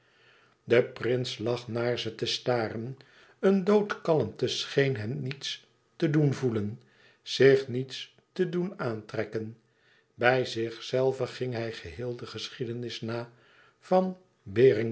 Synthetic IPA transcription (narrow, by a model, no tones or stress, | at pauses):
dəprɪnslɑχnaːɹzətəstaːrən | əndowtkɑləmtəsχejnɦɛmnits | tədunvulən | z̥ɪχnits | tədunaːntrɛkən | bɛjzɪχsɛlˠvəχɪŋɦɛjχəɦɪːlˠdəχəsχidənɪsnaː | vɑn | bɪːrɪŋ